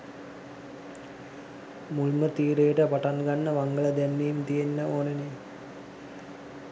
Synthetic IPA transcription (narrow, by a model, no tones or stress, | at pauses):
mulmət̪iːɾejəʈəpaʈanɡanːəʋaŋɡələd̪ænːeːmt̪ijenːəoːnəni